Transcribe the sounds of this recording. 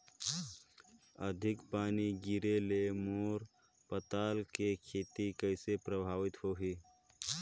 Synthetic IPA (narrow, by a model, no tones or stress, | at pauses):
əd̪ʱɪkpaːniɡɪɾelemoːɾ | pət̪aːlkekʰeːt̪ikəɪsepɾəbʱaːʋɪt̪hoːɦiː